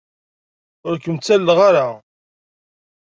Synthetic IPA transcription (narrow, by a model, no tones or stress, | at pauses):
ʊɾkəmt͡sːælːʁaɾa